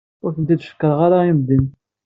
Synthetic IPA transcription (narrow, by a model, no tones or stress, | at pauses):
ʊɾθənt̪id̪ʃə̥kːəɾˤʁaɾaimd̪in